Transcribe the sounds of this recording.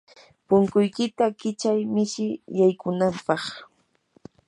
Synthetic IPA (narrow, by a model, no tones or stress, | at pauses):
pʊŋkʊjkɪt̪akɪt͡ʃajmɪʃɪjajkʊnampɑχ